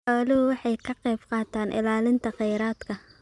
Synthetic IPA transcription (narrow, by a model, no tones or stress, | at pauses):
ħɔːlɪhʊwɑħɑjkʰɐqɛjbqɑːt̪ʰaːnʔɪ̰laːlɪnt̪ʰɐqɛjɾaːd̪kʰɐ